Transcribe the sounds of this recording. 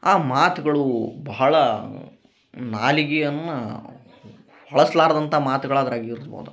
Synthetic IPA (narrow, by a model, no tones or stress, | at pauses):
aːmaːt̪uɡɐɭubɐɦɐɭɐ | naːliɡijɐnːɐ | hɐɭɐsɐlaːɾɐd̪ɐnt̪ʰaːmaːt̪uɡɐɭaːd̪ɐɾaːɡiiɾsbo̰ːd̪u